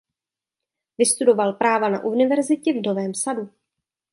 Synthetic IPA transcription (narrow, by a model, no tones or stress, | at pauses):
vɪst̪udo̞valpɾaːvana̰ʔunɪvɛɾzɪcɛvno̞vɛːmsadu